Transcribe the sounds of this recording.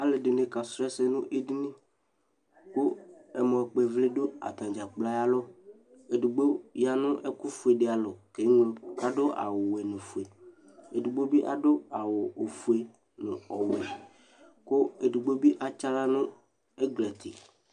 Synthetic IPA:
a˨lɪ˨dɪ˨ne˨ka˨sɾɛ˦sɛ˦nʊ̃˦ʔe˦di˦nĩ˦ | kʊ˦ɛ˨mɔ̃˨k͡pɛ˨vlɪ˦dʊ˦a̰˨t̪ã˨d͡ʒa˨k͡pla˦ja˦lɔ˦ | e˨du˨ɡ͡bo˦ja˦nʊ̃˦ʔɛ˦kʊ˦fu˨e˨dɪ˦a˨lɔ˨ke˨˦ŋʊ̃˦mka˦dʊ˦ʔa̰˨wʊ˨wɛ˨nʊ̃˨fu˨e˨ | e˨du˨ɡ͡bo˦bi˦ʔa˦dʊ˦a˨wʊ˨o˨fu˨e˨ | nʊ̰̃˨ɔ˨wɛ˨ | kʊ˦e˨du˨ɡ͡bo˦bi˦ʔa˨t͡ʃa˦la˦nʊ̃˦ | e˦ɡlɛ˨t̪ʰɪ̰˨

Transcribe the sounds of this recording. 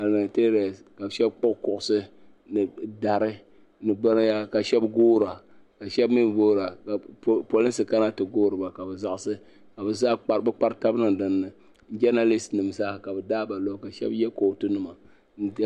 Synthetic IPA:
a˨lma˨te˦ɾa˨ska˨bʃɛ˦bk͡po˦kʊ˦˨ʔʊ˨˦sɨ˦ | nɨ˨da˨ɾɨ˦ | nɨ˨ɡ͡ba˦ɾja˦ka˨ʃɛ˦bɡoː˦ɾa˨ | ka˨ʃɛ˦bmi˦m˨boː˦ɾa˨ka˨po˨li˦nsɨ˨ka˦na˦tɨ˨ɡoː˦ɾɨ˨ba˨ka˨bɛ˨za˦ʔɪ˦sɨ˦ | ka˨bɛ˨zaː˦k͡pa˨ɾɨ˦bɨ˦k͡pa˦ɾta˦bnɨ˨ŋ˨dɨ˨nːɨ˨ | n̩˦d͡ʒɛ˦na˦li˦snɨ˨m˨za˦˨ka˨bɨ˨daː˦ba˨lo˦ka˨ʃɛ̰˦bjɛ˦ko˨tu˦nɨ˨ma˨ | n̩˦

